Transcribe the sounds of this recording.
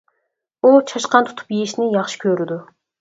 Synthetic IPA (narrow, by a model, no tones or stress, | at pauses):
ut͡ʃʰɑʃqɑnt̪ʰu̥t̪ʰu̥pjejiʃnɪjɑχʃɪ̥kʲʰøɾɪd̪u